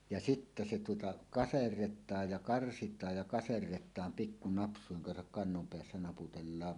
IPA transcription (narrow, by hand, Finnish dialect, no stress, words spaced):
jɑ sitːæ se tuotɑ kɑserːetˑɑːj jɑ kɑrsitˑɑːj jɑ kɑserːetˑɑːm pikːu nɑpsˑuiŋ kɑnsɑk kɑnːom peæsːæ nɑputelːɑːm